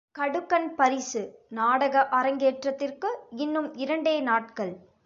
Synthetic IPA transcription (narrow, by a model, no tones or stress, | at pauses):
kɐɽɯkːɐnpɐɾɪsɯnaːɽɐɣɐʔɐɾɐŋɡeːʈrɐt̪ːɪrkɯɪnːɯmɪɾɐɳɖeːnaːʈkɐɭ